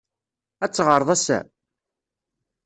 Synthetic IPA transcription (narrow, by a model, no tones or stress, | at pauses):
æt͡sːʁəɾˤðˤæsæ̰